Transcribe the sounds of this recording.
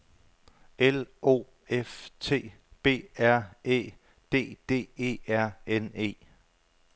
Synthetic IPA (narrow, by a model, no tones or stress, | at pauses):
elo̝̰ː | eft͡sʰe̝̰ː | b̥e̝̰ːæɐ̰e̝̰ː | d̥e̝̰ːd̥e̝̰ːe̝̰ːæɐ̰ene̝̰ː